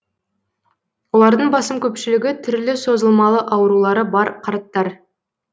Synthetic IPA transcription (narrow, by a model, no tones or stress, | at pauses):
wo̞lˠɑɾd̪əɴbɑsəmkʲʰɵpʃɪlɪɡʲɪt̪ʰʏɾlɪso̞zəlˠmɑlˠəʔɑwəɾulˠɑɾəbɑɾqʰɑɾt̪ːɑɾ